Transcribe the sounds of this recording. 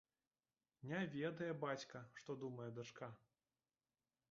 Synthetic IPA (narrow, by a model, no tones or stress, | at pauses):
nʲɛvʲɛd̪ɐjɛbat͡sʲkɐʂt̪ɔd̪umɐjɛd̪at͡ʂka